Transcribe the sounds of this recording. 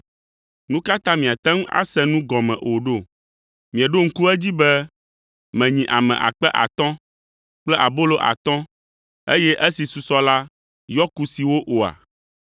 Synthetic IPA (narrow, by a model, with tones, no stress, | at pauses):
nũ˦ka˦t̪ã˦mĩ˨a˨t̪ɛ̃˦ŋ˦a̰˦sɛ̃˦nũ˦ɡɔ˨mɛ̰̃˨ʔo˨ɖo˦˨ | mĩ˨ɛ˨ɖo˦ŋ̩˦ku˦ɛ˦d͡ʑi˦bɛ˦ | mɛ̃˨ɲĩ˨ʔa˨mɛ̰̃˨ʔa̰˨k͡pɛ˦ʔa̰˨t̪ɔ̃˦ | k͡plɛ˦ʔa˨bo˦lo˦ʔa̰˨t̪ɔ̃˦ | e˦jɛ˦ʔɛ˦si˨su˨sɔ˦la˦ | jɔ˦ku˨si˨wo˦ʔo˨a̰˨